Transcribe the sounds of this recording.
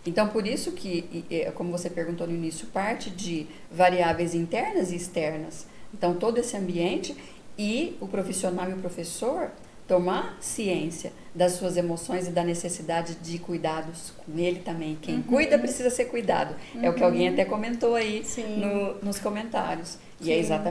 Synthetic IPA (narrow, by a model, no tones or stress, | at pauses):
ẽnt̪ɐ̃w̃poɾisʊkʰɪɛkõmʊvosepeɾɡũt̪onʊinisjʊpaɾt͡ʃɪd͡ʒɪ | vaɾiavẽj̃zĩnt̪ɛɾnɐzɪːst̪ɛɾnɐsẽnt̪ɐ̃w̃t̪od̪ʊesɪɐ̃mbiẽnt͡ʃɪ | ɪʊpɾofisionawiʊpɾofesoɾ | t̪omasiẽsiɐ | d̪ɐsːuɐzemosõj̃zɪd̪ɐnesesid̪ad͡ʒɪd͡ʒɪkujd̪ad̪ʊskõelɪt̪ɐ̃mbẽj̃kẽj̃kujd̪ɐpɾesizɐseɾkujd̪a̰d̪ʊɛʊkɪawɡẽj̃at̪ɛkõmẽnt̪oaisĩnʊnʊskõmẽnt̪a̰ɾjʊs | ɪɛɪzat̪ɐ